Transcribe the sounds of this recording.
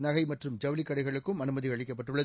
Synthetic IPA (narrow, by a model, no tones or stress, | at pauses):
nɐɣɐɪmɐʈrɯmd͡ʒɐʋlɪkːɐɽɐɪɣɐɭɯkːɯmɐnɯmɐðɪiɣɐɐɻɪk̬ːɐp̬ːɐʈːɯɭːɐ